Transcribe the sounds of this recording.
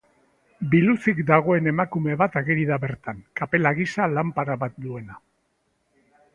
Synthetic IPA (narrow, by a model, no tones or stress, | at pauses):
bilusikd̪aɣ̞o̞e̞ne̞makume̞βat̪aɣeɾiðaβe̞ɾt̪aŋkape̞laɣisalampaɾaβat̪̚d̪ue̞na